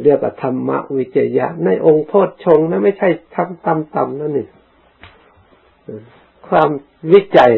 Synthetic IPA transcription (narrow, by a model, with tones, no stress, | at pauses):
lɯ˧˩˨ək̚wa˧˩t̪ʰa˧mːa̰˦˥ʔwi˦˥t͡ɕa˧ja̰˦˧˥ʔna˧˥˩jʔo˧ŋpʰoː˥˩t̪̚t͡ɕʰo˧ŋna˧˦ma˥˩jt͡ɕʰa˧˥˩jt̪ʰa˧mt̪a˧mt̪a˨mna˧˨ni˧˩ | ʔː | kʰwaː˧m | wi˦˥t͡ɕa˨˩j